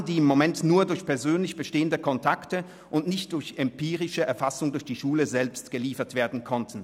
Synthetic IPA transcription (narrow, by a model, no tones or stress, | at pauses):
ndiːɪmːomɛntnuːɐdʊɐçpʰɛɐzøːnlɪçb̥əʃteːəndəkʰɔntʰaktə | ʔʊntnɪçtd̥ʊɐçɛmpʰiːʁɪʃəɛɐfasʊŋdʊɐçd̥iːʃuːləzɛlpstɡ̥əliːfɐtv̥eːɐdn̩kʰɔntn̩